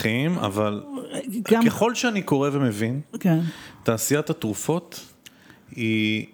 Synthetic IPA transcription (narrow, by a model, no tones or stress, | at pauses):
ima̰valɡakeχo̞lʃeaniko̞ʁevemevinkentaːsijat̪hatʁufo̞t̪ | i